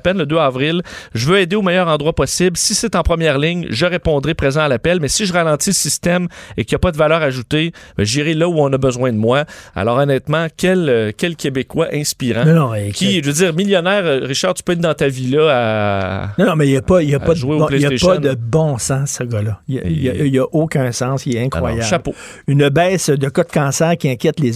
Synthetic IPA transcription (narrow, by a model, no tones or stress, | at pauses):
pɛnləd̪øɑːvʁɪlʒəvøeːd̪eomɛjœːʁɑ̃d̪ʁwapɔsɪblsiset̪ɑ̃pχəmjɛʁlɪɲʒəʁepɔ̃d̪ʁɛpʁezɑ̃alapɛlmɛsiʒəʁalɑ̃t̪ilsist̪ɛmekʲjapɔd̪əvalœːʁaʒut̪ebɛ̰ʒiʁelʌuɔ̃nʌbəzwɛ̃d̪əmwaa̰lɔːʁɔnɛːt̪mɑ̃kʲɛlkʲɛlkʲebekwaʔɛ̃spiʁɑ̃nnɔ̃kʰʲiʒvød͡ziːʁmiljɔnɛːʁʁiʃaːʁt̪y̥pøɛt̪̚d̪ɑ̃t̪avilʌa | ɔ̃nɔ̃mɛjapɔijapɔʒweõleeʒpnəbɔ̃sɑ̃sːəɡʌlʌḭjijaʔokʲœ̃sɑ̃ːsɛɛ̃kʁwajaʃapo | ynbɛːsd̪əkɔt̪̚kɑ̃ːsɛːʁkʲiɛ̃kʲjɛt̪lez